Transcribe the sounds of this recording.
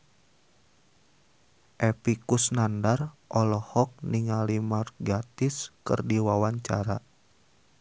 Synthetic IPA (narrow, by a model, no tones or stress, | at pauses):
ʔɛpikusnandarʔɔlɔhɔk̚niŋalimarɡat̪iskɨ̰rdiwawaɲt͡ʃa̰ɾa